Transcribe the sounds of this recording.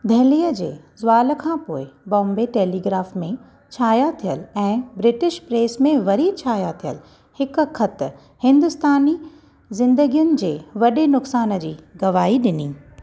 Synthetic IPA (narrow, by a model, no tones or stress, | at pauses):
d̪ʱɛɦliːəd͡ʑḛː | zʊʋaːlə̆kʰãpoːɪbɔ̃ːmbeʈeːliːɡɾaːfmẽ | t͡ɕʰaːjat̪ʰijəlɛ̃ːbɾɪʈɪʃpɾeːsmẽʋɐɾit͡ɕʰaːjat̪ʰijə̰l | hɪk̆kʰɐt̪ | hɪ̃nd̪ʊst̪aːni | zɪ̃nd̪əɡijʊnɪ̆d͡ʑeːʋɐɗenʊksaːnə̆d͡ʑiːɡɐʋaːɦiɗɪniː